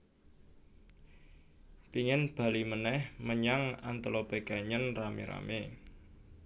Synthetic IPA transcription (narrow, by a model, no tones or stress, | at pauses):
p̪iŋɪnb̥a̤limənɛhməɲaŋa̰nt̪əlɔbe̤kaɲənramḛɾa̰me